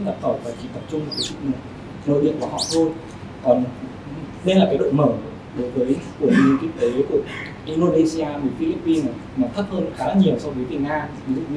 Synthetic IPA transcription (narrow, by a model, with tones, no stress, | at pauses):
ɗa˨˩p̚t̪ʰə˧˩faː˨˩t͡ɕi˧˩t̪ə˨˩p̚t͡ɕʊ˧ŋ͡mma˨˩kə˨˦t͡ɕi˧˥k̚nɨ˨˩ | no̰˧˨ɗḭ˧˨əŋku˧˩hɔ̰˧˨˩t̪ʰo˧j | kɔ˨˩n | ɗə˧jlaː˨˩kaː˨˦jɗo̰˧˨jmə˧˩ | ɗo˨˦jvəː˨˦jku˧˩əɲi˧t̪i˦˥k̚t̪e˨˦ku˧˩ə | ʔi˧ndo˧ne˧si˧aː˧mi˨˩˦fi˧li˦˥pːi˧na˨˩ | maː˨˩nt̪ʰə˦˥t̚həː˧nxaː˨˦ɲi˨˩əwsɔ˧wvə˨˦jvi˧˩ŋaː˧˨zɨ̰˧˥˧